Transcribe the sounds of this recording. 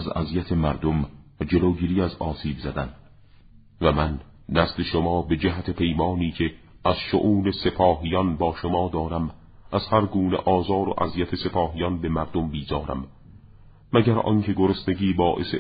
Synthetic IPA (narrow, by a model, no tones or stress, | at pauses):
zæ̰zijæt̪ʰemæɾd̪omd͡ʒe̞loːɡiːɾiːæzɒːsiːbzæd̪æn | væmænː | æsle̞ʃomɒːbe̞d͡ʒæɦæt̪ʰe̞pʰe̞jmɒːniːcʰe | æz̥ʃo̰ʔuːne̞se̞pʰɒːɦijɒnbɒːʃomɒːd̪ɒːɾæm | ʔæzhæɾɡuːneʔɒːzɒːɾo̰ʔæzijæt̪ʰe̞se̞pʰɒːɦijɒnbe̞mæɾd̪ombiːzɒːɾæ̰mː | æɟæɾɒ̰ncʰe̞ɡoɾosne̞ɡiːbɒːʔese